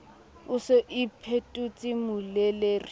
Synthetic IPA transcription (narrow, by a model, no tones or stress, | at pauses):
ʊsɪʔipʰetʼut͡sʼimʊleleːri